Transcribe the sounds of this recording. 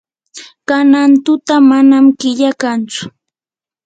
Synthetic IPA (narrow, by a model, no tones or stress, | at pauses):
kanant̪ʊt̪amanamkɪʎakant͡sʊ̥